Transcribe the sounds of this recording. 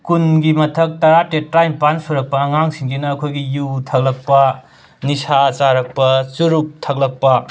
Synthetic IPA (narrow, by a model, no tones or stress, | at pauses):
kunɡimɐtʰɐk̚tɐɾatetajmpansuɾɐk̚pɐɐŋaŋsiŋɡinɐːkʰojɡijutʰɐɡ̚lɐk̚pɐ | nisat͡ʃaɾɐk̚pɐt͡ʃuɾuk̚tʰɐk̚lɐk̚pɐ